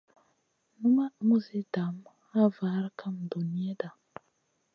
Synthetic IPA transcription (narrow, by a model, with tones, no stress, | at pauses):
nu˦ma˦mu˦zi˦da˨m | a˦va˨˦ɾkʰa˦m˨do˨ni˦e˦da˨